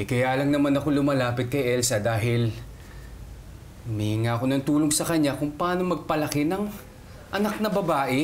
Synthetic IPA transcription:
ʔɪkɐjalɐŋnɐmanɐko̞lʊmɐlaːpɪt̪̚kɐjʔɛlsɐd̪aːɦɪl | mɐhɪŋaʔɐko̞nɐŋt̪uːloŋsɐkɐɲakʊŋpɐʔaːno̞mɐɡ̚pɐlɐkɛnɐŋ | ʔɐnak̚nɐbɐbaːʔɛ

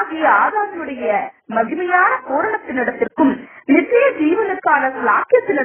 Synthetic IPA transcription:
ɣiaːðaːɾɐɯɽɐjɐmɐɣɪmɐjaːnɐkoːɾɐɳɐt̪ːɪnːɪɽɐt̪ːɪrkɯmnɪtrɪjɐd͡ʒiːʋɐnɯkːaːnɐsɪlaːkɪjɐt̪ːɪnɪ

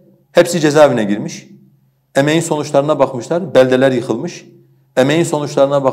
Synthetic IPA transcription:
hepsid͡ʒezaːvinɛɟiɾmiʃ | emejinso̞nut͡ʃlˠaɾɯnabaxmɯʃlˠaɾbælʲd̪elʲæɾjɯxɯlˠmɯʃ | emejinso̞nut͡ʃlˠaɾɯnaba

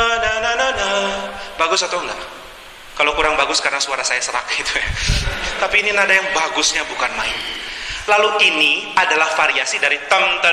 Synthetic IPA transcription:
ananananabaɡʊsat̪uŋɡa̰ | kalokuɾaŋbaɡʊskaɾənasuaɾasajasəɾakait̪ujat̪apiːninadajaŋbaɡʊsɲabukanmaɪnlaluʔiniadalahfaɾiasidaɾit̪əŋt̪ə

